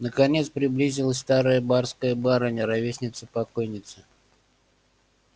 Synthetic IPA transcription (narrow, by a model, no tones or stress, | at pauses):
nəkɐnʲet̪spɾʲɪblʲizʲɪlˠəsʲst̪aɾəjəbarskəjəbaɾənʲəɾɐvʲesʲnʲɪt̪səpɐko̞jnʲɪt̪sə̥